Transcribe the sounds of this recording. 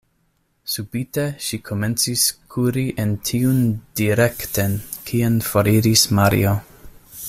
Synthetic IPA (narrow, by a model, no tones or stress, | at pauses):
subiteʃikʰo̞ment͡siskʰuɾiʔentʰiund̥iɾe̞ktenkʰianfoɾiɾismaɾḭo